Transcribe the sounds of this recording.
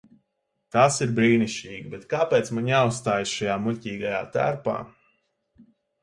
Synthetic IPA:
t̪aːsiɾbɾiːniʃt͡ʃiːɡəbet̪kaːpɛːt̪smaɲaussːt̪aːjsʃajaːmulʲcʲiːɡaja̰ːt̪æ̰ɾpa̰ː

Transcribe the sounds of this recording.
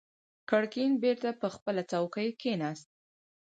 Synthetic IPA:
kaɽkinbeɾt̪apəxpəlat͡sawkəjkenɑst̪̚

